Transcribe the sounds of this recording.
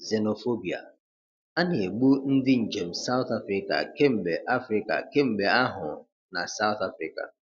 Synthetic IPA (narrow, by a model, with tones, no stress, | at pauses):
ze˨no˨fo˦bi˨a̰˨ | a˦ne˨e˨ɡ͡bu˦n̩˦dɪ˦n̩˨d͡ʒe˨m̩˨sa˦ʊ˦t̪a˦fɾɪ˦ka̰˨ke˦m̩˨be˨ʔa˦fɾɪ˦ka̰˨ke˦m̩˨be˨a˦ɦʊ˨ | na̰˨sa˦ʊ˦ta˦fɾɪ˦ka̰˨